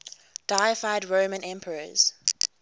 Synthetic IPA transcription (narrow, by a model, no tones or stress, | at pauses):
d̥aɪəfaɪdɹõːmə̃nʔɛ̃mpʰəɹəz̥